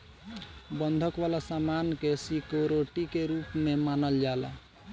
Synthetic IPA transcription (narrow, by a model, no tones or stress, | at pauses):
bənd̪ʱəkbalasamankesikoɾoʈikeɾupmemanəld͡ʒala̰